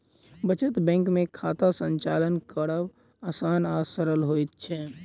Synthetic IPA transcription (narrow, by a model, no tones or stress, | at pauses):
bət͡ʃət̪bɛ̃ːŋkmẽkʰaːt̪asə̃ɲt͡ʃaːlənkəɽəʋ | aːsaːnaːsəɾəlɦoːit̪̚t͡ʃʰɛ